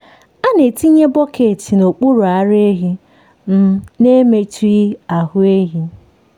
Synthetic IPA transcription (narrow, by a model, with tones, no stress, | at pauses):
a˦ne˨ti˦ɲe˦bɔ˦ke˨ti˨no˨k͡pu˦ɾʊ˨a˨˦ɾe˦ɦi˦ | m̩˦ne˦me˦tu˦i˦a˨ɦʊ˦e˦ɦi˦